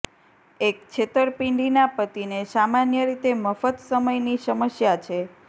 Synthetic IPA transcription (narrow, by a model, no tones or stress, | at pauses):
ek̚t͡ʃʰet̪əɾpiɳɖinapət̪inesamanjəɾit̪eməfət̪səməjnisəməsjat͡ʃʰe